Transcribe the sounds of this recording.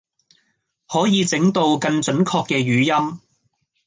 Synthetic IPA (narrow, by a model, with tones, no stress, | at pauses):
hɔː˨˥jiː˨˧t͡sɪ˨˥ŋt̪o˧wkɐ˧nt͡sɵ˨˥nkʰɔː˧kːɛː˧ɥyː˨˧jɐ˥m